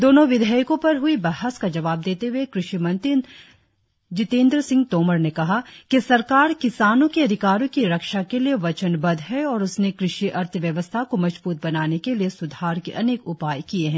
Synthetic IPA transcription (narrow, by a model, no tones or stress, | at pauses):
d̪oːnõʋɪd̪ʱəjkõpɐɾɦʊibɐɦəskad͡ʒɐʋaːb̚d̪eːt̪eɦuekɾɪʃimɐ̃nt̪ɪn | d͡ʒɪt̪ẽːnd̪ɾəsɪ̃ŋɡ̚t̪oːməɾnekɐɦakisɐɾkaːɾkɪsaːnõkiɐd̪ʱɪkaːɾõkiɾɐkʃakelieʋɐt͡ʃənbɐd̪ɦɛɔːɾʊsnekɾɪʃiʔɐɾt̪ʰəʋjɐʋəst̪ʰakomɐd͡ʒbuːt̪̚bɐnaːnekeliesʊd̪ʱaːɾkeʔɐneːkʊpaːjkieɦɛ̃ː